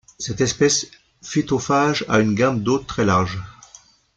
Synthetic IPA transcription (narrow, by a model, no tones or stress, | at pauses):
sɛt̪ɛspɛs | fet̪ofaʒa̰ynɡambd̪ot̪χɛlaʁʒ